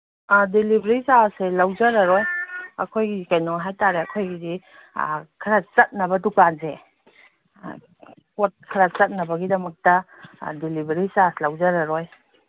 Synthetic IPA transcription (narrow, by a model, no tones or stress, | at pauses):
delibɾisaselawzɐɾɐɾɔjɐ̰kʰojɡikajnɔɦajtaɾeɐkʰojɡidḭ | kʰɐɾat͡ʃɐt̚nɐbɐdukanzḛ | kot̚kʰɐɾat͡ʃɐt̚nɐbɐɡidɐmɐk̚tɐ | delibeɾisaslawzɐɾɐɾɔj